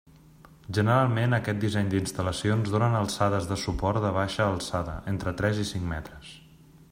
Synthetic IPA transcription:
ʒənəɾalˠmenəkɛt̪̚d̪izɛɲd̪inst̪ələsionzðonənəlˠsaðəzðəsupɔɾt̪d̪əβ̞aʃəːlˠsaðə̰ʔent̪ɾət̪ɾɛzisiŋmɛ̰t̪ɾəs

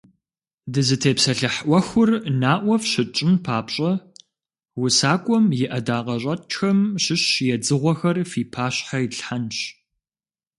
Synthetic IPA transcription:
dɨzɨtʰeːpsɐɬɨħʔʷɐxʷʊrnaːʔʷɔfʃɪt͡ʃʼɪmpʰaːpɕʼɐ | wʊsaːkʷʼɔmjɪʔɐdaːqɐɕʷʼɐxɐmɕɪɕjɛd͡zɨʁʷɔxɐrfiːpʰaːɕħajiɬħanɕ

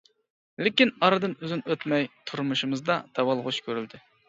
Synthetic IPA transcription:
lɪkʲinɑɾɨd̪ɨnøzɪnøt̪mɛjt̪ʰuɾmuʃɨmɨzd̪ɑd̪̥ɑwɑlˠʁʊʃkʲʰøɾyld̪ɪ

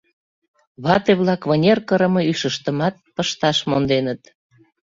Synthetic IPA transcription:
βɑt̪eβlɑkβənʲerkəɾə̆mɤ̆yʃəʃt̪əmɑt̪̚pəʃt̪ɑʃmond̪enət̪

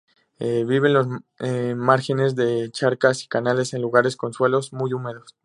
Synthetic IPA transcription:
eβiβ̞e̞nlo̞zemaɾxe̞ne̞zðe̞t͡ʃaɾkasi̥kanale̞se̞nluɣ̞aɾe̞sko̞nswe̞lo̞zmujume̞ðo̞s

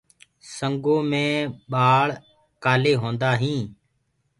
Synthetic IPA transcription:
səŋɡõːmẽːɓaːɭ | kaːleːɦõːnd̪aːɦĩː

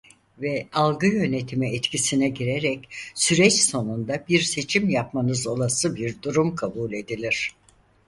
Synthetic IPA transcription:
vɛalˠɡɯjø̞ne̞t̪ʰimiɛt̪cisinɛɟiɾeɾɛcsyɾɛt͡ʃso̞nund̪abiɾse̞t͡ʃʰimjapmanɯzo̞lˠasɯbiɾd̪uɾumkʰabuːlʲe̞d̪ilʲiɾ̥

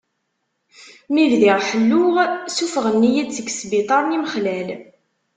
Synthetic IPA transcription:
milðiʁħəlːʊʁsufəʁənːijæd̪t͡sːəɡsbit̪ˤɑɾˤniməχlæl

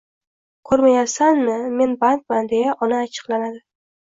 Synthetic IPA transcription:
kʰɵɾmajasanmɪme̞nbank̪̚mand̪ejaʔɒnaːt͡ʃʰɨ̥qlanad̪ɪ

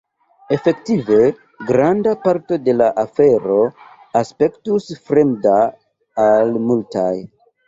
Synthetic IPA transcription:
e̞fe̞ktive̞ | ɡɾandapaɾto̞de̞laʔafe̞ɾo̞ | aspe̞ktusfɾe̞mda | almulta̰j

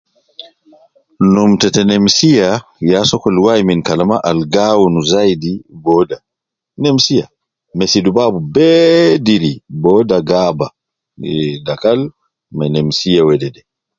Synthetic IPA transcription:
numtɛtɛnɛmsijajasɔkɔlwajminkalamaʔalɡawunuzajdibɔːda | nɛmsija̰ | mɛsidubabubɛːdiɾibɔːdaɡaːba | dakal | mɛnɛmsijawɛdɛdɛ

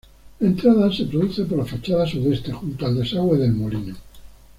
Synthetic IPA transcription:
e̞nt̪ɾaðase̞pɾoðuθe̞p̬olafat͡ʃaðasuðe̞st̪e̞xunt̪oald̪e̞saɣwe̞ðe̞lmolino

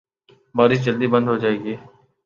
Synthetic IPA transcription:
baːɾɪʃd͡ʒəld̪iːbə̃nd̪ʱɦod͡ʒaːeːɡiː

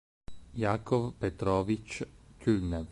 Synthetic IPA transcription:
jakɔwpɛt̪ɾɔʋit͡ʃcʲulʲnɛw

